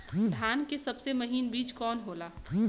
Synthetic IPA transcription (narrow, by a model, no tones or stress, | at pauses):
d̪ʱaːnkesɐbsemɐɦiːnbiːt͡ʃkɔːnɦoːlaː